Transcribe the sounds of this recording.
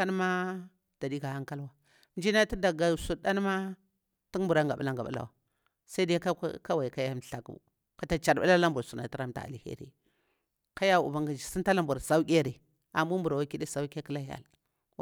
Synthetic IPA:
a˦n˦ma˦ | d̥a˨di˦ɡa˨ha˦ŋka˦lwa˦ | n˦d͡ʒi˦na˦ti˦da˨ɡa˨su˨ɗa˦n˦ma˦ | ti˦ŋmbu˨ɾa˦ŋɡa˨ba̰˦la˦ŋɡa˨a̰˦la̰˨wa̰˨ | sa˦da˦ka̰˦ka˦wa˨i˨ka˦ja˦m˨ɬa˨kṵ˦ | ka˨ta˨t͡ʃa˨ɾba˦la˦la˦mbu˨ɾsu˨na̰˨ti˦ɾa˦mta̰˨a̰˨li˨hḛ˦ɾḛ˦ | ka˦ja˦˨ṵ˨ba˨ŋɡa˨d͡ʒi˨si˦nta˦la˦mbu˨ɾsa˦u˦kʲe˦ɾe˨ | a˨mbu˦mbu˨ɾa˨wa˦ki˦ɗe˦sa˨u˦ke˦ki˦la˦ja̰˨l

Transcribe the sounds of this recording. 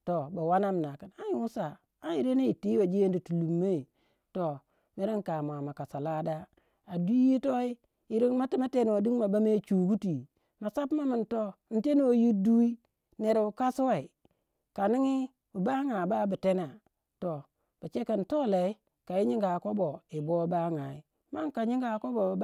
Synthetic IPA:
to˨ba˨wa˦na˦m˨na˨ka˨na˦ji˨˦wu˦sa˨ | a˦ji˨ɾe˦na˦i˨ti˦wa˨d͡ʒi˦e˦n˦di˨tu˨lu˨mːe˦˨ | to˨ | me˦ɾi˦ŋka˨m˨a˨ma˨ka˨sa˨la˦da˦ | a˨du˦ji˦to˦i˦ | i˦ɾi˦ŋma˦ti˦ma˦te˦n˨o˨di˦ŋ˦ma˨ba˦me˦t͡ʃu˨ɡu˦ti˨ | ma˨sa˦pma˦mi˨nto˦n̩˨te˦n˦o˨ji˦du˦i˦ | ne˨ɾu˨ka˦su˦wa˨i˨ | ka˨ni˦ŋi˦ | u˨ba˦ŋa˨ba˦bi˨te˦na˨ | to˨ | b̥a˨t͡ʃe˦ka˨n˨to˦le˨i˦ | ka˨ji˦ɲi˦ŋɡa˨ko˦bo˨i˨bo˦ba˦ŋa˨i˦ | ma˦ŋka˨ɲi˦ŋɡa˨˦ko˦bo˨

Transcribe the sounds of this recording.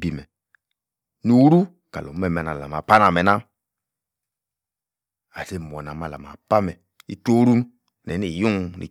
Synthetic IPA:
bi˨mɛ˨ | nu˨˦ɾu˦ | ka̰˨lo˨˦mɛ˦˨me˨na˨la̰˨ma˨pa˦na˨me˨na˦ | a˨se˦˨m˨o˨na˨ma˨la̰˨ma˨pa˦mɛ˨ | i˦to˦ɾu˦˨ | nɛ˨˦ni˨ju˦ŋnḭ˨

